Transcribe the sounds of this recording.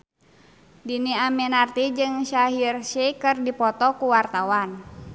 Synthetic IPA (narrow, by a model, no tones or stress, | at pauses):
diniamɛnart̪id͡ʒɨŋʃaɦirʃikɨrdipɔt̪ɔkuwart̪awan